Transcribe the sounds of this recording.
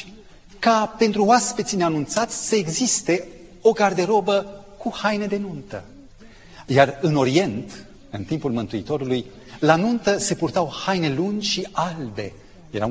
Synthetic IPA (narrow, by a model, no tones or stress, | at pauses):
kape̞nt̪ɾuoaspe̞t̪sineanunt̪sat̪sʲsəe̞ɡzist̪e̞ | o̞ɡard̪e̞ɾo̞bə | kuhajne̞d̪e̞nunt̪ə | jarɨno̞ɾie̞nt̪ | ɨnt̪impulmɨnt̪uit̪o̞ɾuluj | lanunt̪əse̞purt̪awhajne̞lund͡ʒʲʃialbe̞ | je̞ɾa̰